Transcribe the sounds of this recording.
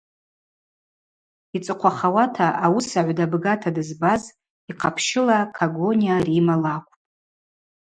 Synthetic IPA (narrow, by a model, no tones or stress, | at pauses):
it͡sʼɨqʷʰaχawatʰaʔawusaʕʷdabɡatʰadɨzbaz | iqʰapʰʃɪlakʰaɡo̞nijarimalakʷʼtʼ